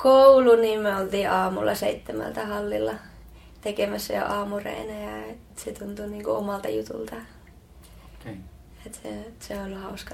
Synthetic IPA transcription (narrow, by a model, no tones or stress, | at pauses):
kouluniːmmøolt̪iːʔɑːmṵlːʔɑseit̪ːemæ̰lt̪æhɑlːilːɑ | t̪ekemæsːæjo̰ʔɑːmurḛinæjɑet̪set̪unt̪uniːŋkṵomɑlt̪ɑjut̪ṵlt̪ɑ | et̪sḛseolːhɑuskɑ